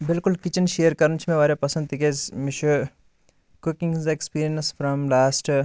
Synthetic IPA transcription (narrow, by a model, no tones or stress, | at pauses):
bɪlkʊlkɪt͡ʃənʃeːəɾkɐɾənt͡ʃʰmẽʋaːɾepɐsə̃nd̪̚t̪ikezmɪʃo | kʊkɪ̃ŋzekspiːɾijənsfɾɐmlaːsʈ